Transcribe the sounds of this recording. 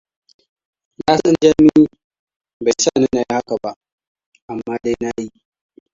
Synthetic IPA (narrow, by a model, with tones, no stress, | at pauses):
na˦sɔ˦nd͡ʒa˦mi˦ | ba˨saː˦˨ne˦na˨ji˦ha˦ka˨ba˦ʔ | ʔa˨mːaː˦da˦jna˦ji˦ʔ